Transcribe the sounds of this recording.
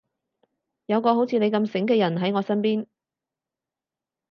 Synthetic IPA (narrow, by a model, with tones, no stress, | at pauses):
jɐ˨˧wkɔː˧ho˨˥wt͡sʰiː˨˧e˨˧jkɐ˧msɪ˨˥ŋkɛː˧jɐ˨˩nɦɐ˨˥jŋɔː˨˧sɐ˥npiː˥n